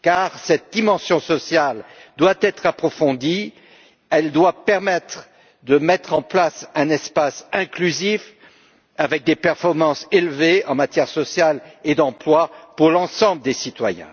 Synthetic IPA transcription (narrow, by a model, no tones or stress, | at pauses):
kaʁsɛt̪̚d̪imɑ̃sjɔ̃sɔsjald̪wat̪ɛt̪χapχɔfɔ̃d̪i | ɛld̪wapɛʁmɛt̪χ | d̪əmɛt̪χɑ̃plasɛ̃nɛspasɛ̃klyzif | avɛk̚d̪epɛʁfɔʁmɑ̃selveɑ̃mat̪jɛʁsɔsjaled̪ɑ̃plwapuʁlɑ̃sɑ̃bləd̪esit̪wa̰jɛ̰̃